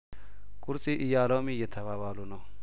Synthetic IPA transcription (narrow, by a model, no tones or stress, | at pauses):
kʼʊɾsʼɪʔɪjaːlomijɛt̪ʰɐβaːbaːlʊnɔ